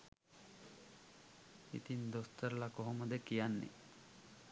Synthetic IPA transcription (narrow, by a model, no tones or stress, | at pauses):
ḭt̪ind̪ost̪əɾlakoɦoməd̪ekijanːḭ